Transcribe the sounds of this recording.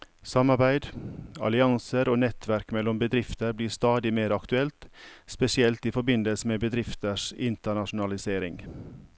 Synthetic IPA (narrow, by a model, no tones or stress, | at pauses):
sɑmɑɾbæɪd̪ɑ̰lɪɑŋsəɾoːnɛt̪ʋæɾkmɛlɔmbəd̪ɾɪft̪əɾbliːst̪ɑːd̪ɪmeːɾɑkt̪ʉɛlt̪spɛsɪɛlt̪iːfɔɾbɪnd̪əlsəmeːbəd̪ɾɪft̪əʂɪnt̪əɳɑʃʊn̩ɑlɪseːɾɪŋ